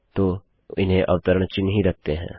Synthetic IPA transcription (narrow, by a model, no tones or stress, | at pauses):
t̪oː | ɪnɦẽʔɐʋt̪əɾəɽ̃t͡ʃɪnɦĩɾɐk̚t̪eɦɛ̰̃ː